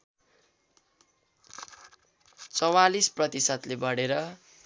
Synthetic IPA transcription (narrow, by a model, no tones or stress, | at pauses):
t͡sʌwalisprʌt̪isʌt̪lebʌɽeɾʌ